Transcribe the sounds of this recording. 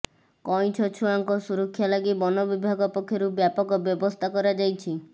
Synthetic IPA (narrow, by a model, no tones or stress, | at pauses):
kɔj̃t͡ʃʰɔt͡ʃʰuaŋkɔsuɾɔkʰːjalaɡibɔnɔbibʱaɡɔpɔkʰːjɔɾubjapɔkɔbjɔbɔst̪ʰakɔɾad͡ʒajt͡ʃʰi